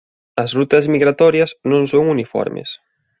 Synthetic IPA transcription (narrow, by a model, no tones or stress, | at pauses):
ɐzrut̪ɐzmiɣɾat̪ɔɾjɐsnõŋsoŋunifɔ̰ɾmḛs